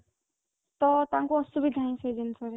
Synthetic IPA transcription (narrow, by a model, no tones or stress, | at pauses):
t̪ɔt̪aŋkuɔsubid̪ʱaĩsʰed͡ʒent̪ʰɔɾe